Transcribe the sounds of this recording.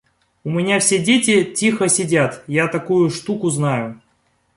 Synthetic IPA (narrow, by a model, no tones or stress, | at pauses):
ʊmʲɪnʲafsʲedʲetʲɪtʲixəsʲɪdʲat̪jat̪ɐkujʊʂt̪ukʊznajʊ